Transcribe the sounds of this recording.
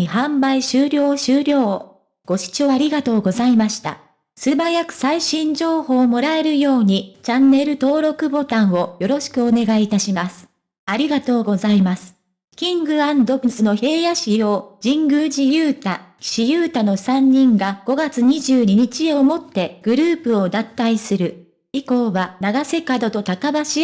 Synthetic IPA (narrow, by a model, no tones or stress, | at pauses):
ihãmbaiɕɨːɾʲo̞ːɕɨːɾʲo̞ː | ɡ̥o̞ɕi̥t͡ɕo̞ːaɾʲiɡat̪o̞ːɡo̞zaimaɕi̥t̪a̰ | sɨbajakɯ̟̥saiɕĩɲ̟d͡ʑo̞ːho̞ːmo̞ɾae̞ɾɯ̟jo̞ːɲ̟it͡ɕãnːe̞ɾɯ̟t̪o̞ːɾo̞kɯ̟bo̞t̪ãɰ̃o̞jo̞ɾo̞ɕi̥kɯ̟o̞ne̞ɡait̪aɕimasɨ̥ | aɾʲiɡat̪o̞ːɡo̞zaimasɨ̥ | kʲĩŋɡɯ̟ãnd̪o̞bɯ̟sɨno̞çe̞ːjaɕijod͡ʑĩŋɡɯ̟ːd͡ʑijɯːt̪aɕijɯ̟ːt̪ano̞sãɲ̟ːĩŋɡaɡ̥o̞ɡat͡sɨɲ̟iʑɨːɲ̟iɲ̟it͡ɕio̞mo̞t̪ːe̞ɡ̥ɯ̟ɾɯːpɯ̟o̞d̪at̪ːaisɨɾɯ̟ | iko̞ːβanaɡase̞kad̪o̞t̪o̞t̪akabaɕi